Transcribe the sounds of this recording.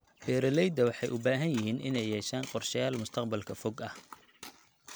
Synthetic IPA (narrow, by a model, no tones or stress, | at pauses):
b̥ɛːɾɐlɛjd̪ɐwɑħɑjʔʊbaːɦɐnjɪɦiːnʔɪ̰nɛjːɛːʃaːnqɔrʃɐjaːlmʊst̪ʰɑqbɐlkʰɐfɔɡɐh